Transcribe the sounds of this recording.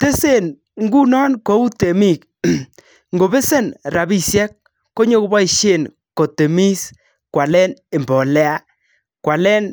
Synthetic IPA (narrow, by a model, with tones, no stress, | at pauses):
te˦se˦˨n | ŋ˦ɡu˦nɔ˦nko˨˦u˦te˨mi˦˨k̚ | ŋɡo˨be˦se˦˨nɾa˨bi˦sjɛ˦k̚ː | o˦ɲo˦kba˦i˨ʃe˦˨n | ko˨te˨mi˦s | kwa˨lɛ˦ne˨mbɔ˨lɛ˦a˦ | kwa˨lɛ˦n